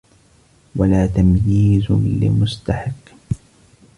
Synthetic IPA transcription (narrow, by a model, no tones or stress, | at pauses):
walaːt̪amjiːzʊlɪ̰mʊst̪aħɪqː